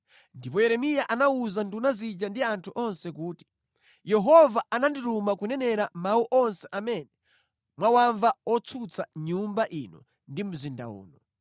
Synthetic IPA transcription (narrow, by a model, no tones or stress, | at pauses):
ndipɔjɛɾɛmijaʔanauzandunazid͡ʒandiantʰuʔɔnsɛkuːti̥ | jɛɦɔvaʔananditumakunɛnɛɾamauʔɔnsɛʔamɛnɛ | mwawaɱvaɔt͡sʰut͡sʰaɲumbaʔinɔ̰ | ndim̩zinda̰ṵːnɔ